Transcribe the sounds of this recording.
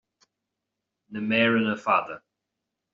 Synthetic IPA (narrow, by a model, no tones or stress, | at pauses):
nəmɛːɹənəfaːðə